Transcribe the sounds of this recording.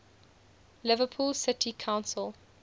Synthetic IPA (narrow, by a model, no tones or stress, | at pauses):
lɪvəpʰuːlsɪtʰikʰãʊ̃nsəlˠ